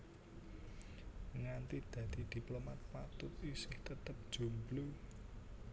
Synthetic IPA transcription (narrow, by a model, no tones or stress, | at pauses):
ŋant̪id̪̥ä̤d̪̥i̤d̪̥i̤plomat̪̚pat̪ʊt̪isɪht̪ət̪əp̚d̥ʒ̥ṳmblu